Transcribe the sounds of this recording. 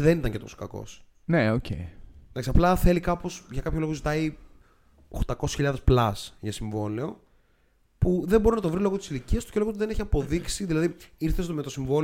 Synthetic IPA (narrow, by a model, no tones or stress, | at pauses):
ðenit̪ɐŋcet̪o̞so̥kɐko̞̰s | neocḛiðɐksiɐplɐθe̞likɐpo̞sʝɐkɐpçolo̞ɣozit̪ɐi | oxt̪ɐko̞sçiʎɐðesplɐsʝɐsiɱvo̞leo̞ | puðe̞mbo̞ɾinɐt̪ovɾilo̞ɣot̪i̥siliciɐst̪u̥ceoot̪uðe̞neçiɐpo̞ðiksiðilɐðiiɾθe̞st̪omet̪o̞siɱvo̞l